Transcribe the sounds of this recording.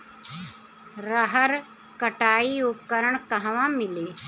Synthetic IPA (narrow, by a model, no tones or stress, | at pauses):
ɾəɦəɾ | kəʈaːiupkəɾəɳkəɦʋãmileː